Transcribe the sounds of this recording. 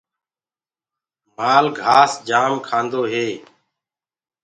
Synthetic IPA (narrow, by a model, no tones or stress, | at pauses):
maːlɡʱaːsd͡ʒaːmkʰãːnd̪oːɦeː